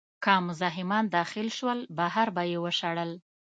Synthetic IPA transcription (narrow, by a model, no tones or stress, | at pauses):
kɑmʊzɑɦɪmɑnd̪ɑxɪlʃwəlbaɦaɾbajewəʃaɽəl